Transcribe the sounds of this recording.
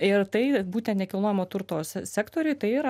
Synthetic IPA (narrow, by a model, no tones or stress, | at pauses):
ɪrt̪ɐɪbuːt̪ʲɛ̃nt̪nʲɛkʲɪlˠnoːjɛmoːt̪ʊɾt̪oːssʲæːkt̪oːɾʲʊjt̪ɐɪɪɾɐ